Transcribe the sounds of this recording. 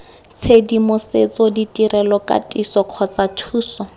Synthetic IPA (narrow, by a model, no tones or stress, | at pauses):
t͡sʰedimʊset͡sɔditʼirɛlɔkʼa̰tʼisɔkʰɔt͡satʰuːsɔ